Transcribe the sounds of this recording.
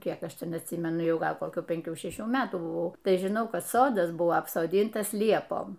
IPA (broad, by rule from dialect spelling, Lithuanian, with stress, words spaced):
ˈkʲiɛk ˈɐʃ ˈtʲɛn ɐtʲˈsʲiːmʲɛnʊ ˈjɛʊ ˈɡɐlˠ koːˈkʲuː pʲɛŋʲˈkʲuː ʃʲɛˈʃʲuː ˈmʲæːtuː bʊˈʋɐʊ ˈtɐɪ ʒʲɪˈnɐʊ ˈkɐt ˈsoːdɐs ˈbʊɐ ɐpsoːˈdʲiːntɐs ˈlʲiɛpoːm